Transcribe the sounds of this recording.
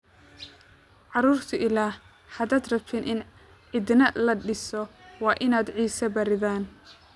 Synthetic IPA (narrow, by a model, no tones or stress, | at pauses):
ʕɑɾuːrt̪ʰʊʔɪlaːh | hɐd̪aːd̪rɐbt̪ʰɪnʔɪn | ʕɪd̪nɐlɐɖɪsɔwɑːʔɪnaːd̪ʕiːsɐbɐɾɪðaːn